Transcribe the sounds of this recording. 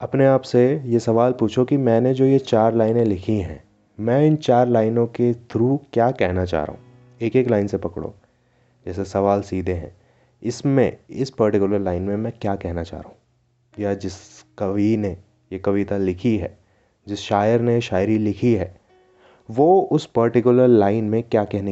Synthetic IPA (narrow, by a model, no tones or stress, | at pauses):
ɐpneaːpsejesɐʋaːlpuːt͡ʃʰokimɛ̃ːned͡ʒoːjet͡ʃaːɾlaːɪnẽlɪkʰiɦɛ̰̃ː | mɛ̃ːɪnt͡ʃaːɾlaːɪnõket̪ʰɾuːkjaːkɛɦnat͡ʃa̰ːɾa̰ɦũ | eːkeːklaːɪnsepɐkɽo̰ː | d͡ʒɛːs̬esɐʋaːlsiːd̪ʱeɦɛ̰̃ː | ɪsmḛ̃ɪspɐɾʈɪkʊləɾlaːɪnmẽmɛ̃kjaːkɛɦnat͡ʃa̰ːɦɾa̰ɦũ | jad͡ʒɪskɐʋine | jekɐʋit̪alɪkʰiɦɛː | d͡ʒɪsʃaːjəɾneʃaːɪɾilɪkʰiɦɛː | ʋoːʊspɐɾʈɪkjʊləɾlaːɪnmẽkjaːkɛɦne